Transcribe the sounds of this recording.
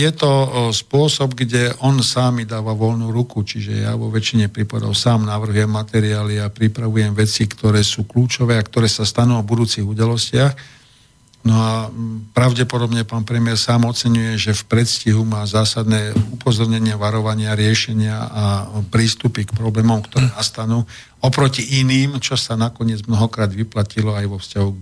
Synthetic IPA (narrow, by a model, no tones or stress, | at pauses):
jɛt̪ɔspʊɔsɔbɡɟɛʔɔnsaːmid̪aːʋaʋɔʎnuɾukut͡ʃiʒɛ̰ja̰ʋɔʋɛt͡ʃiɲɛpɾipad̪ɔ̰ʊsaːmnaʋr̩ɦujɛmːat̪ɛɾiaːliapɾipɾaʋujɛmʋɛt͡sikt̪ɔɾɛːsuːkluːt͡ʃɔʋɛːakt̪ɔɾɛːsast̪anuːɔbud̪uːt͡siɣud̪alɔscɪax | nɔapɾaʊɟɛpɔd̪ɔbɲɛpaːnpɾɛmɪɛɾsaːmɔt͡sɛɲujɛʒɛfpɾɛt̪sciɦumaːzaːsad̪nɛːupɔzɔɾɲɛɲɪaʋaɾɔʋaɲɪaɾɪɛʃɛɲɪaapɾiːst̪upikpɾɔblɛːmɔmkt̪ɔɾɛːnast̪anuː | ɔpɾɔciʔiniːmt͡ʃɔsanakɔɲɪɛd͡zmnɔɦɔkɾaːd̪ʋiplacilɔajʋɔfscaɦu